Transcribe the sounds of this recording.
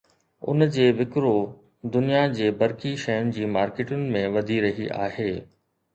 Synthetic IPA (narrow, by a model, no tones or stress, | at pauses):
ʊ̰nd͡ʑeːʋɪkɾo | d̪ʊnijad͡ʑeːbɐɾkiʃɐjʊnɪ̆d͡ʑiːmaːɾkeːʈʊnɪ̆mẽʋɐd̪ʱiɾɐɦiʔa̰ːɦeː